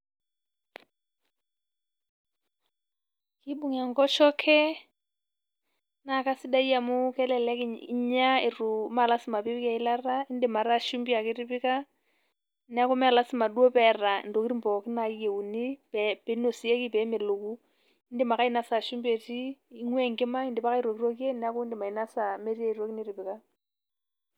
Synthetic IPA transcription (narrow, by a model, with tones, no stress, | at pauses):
kɪ˦bu˦ŋa˨ŋ̩kɔ˦ʃɔ˦kʰɛ˦ | na˨ka˦sɪ˦da˦i˦a˨mʊ˦kɛ˦lɛlɛ˦kɲ˦ɲa˦ɪ˨ru˨ma˨la˦sɪ˦ma˨pi˦pika˨i˦la˦ra˦ɪ˦n̩dɪ˦ma˨ɾa˦˨ʃu˦mbi˦a˨kɪ˦ri˦pɪ˦ka˦ | nɛ˦a˦ko˦mɛ˦a˨la˦sɪ˦ma˨du˦o˦pɛ˨ra̰˨ndo˨kɪɾi˦mpɔ˨kɪ˦na˨˦je˨u˨ni˦pɛ˨pe˨˦no˨si˨˦e˦ki˦pɛ˨˦me˨lo˨ku˦ | ɪ˦ndɪ˦ma˨ka˦i˦na˦sa˨ʃu˦mbe˨tiː˦ŋwɛ˦ŋkɪ˦ma˦ɪ˦ndɪ˨pa˦ka˦i˦ɾwo˨ki˦ɾo˦ki˦e˦n˦a˦ko˦ndɪ˨ma˨i˨na˦sa˨me˦ɾi˦e˦˨i˨ɾo˦kɪ˦nɪ˦ɾɪ˨pɪ˨ka˦